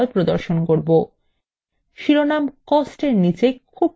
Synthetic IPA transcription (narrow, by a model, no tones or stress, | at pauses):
lpɾod̪oɾʃonkoɾbo | ʃiɾonamkɔsʈeɾnit͡ɕekʰub̚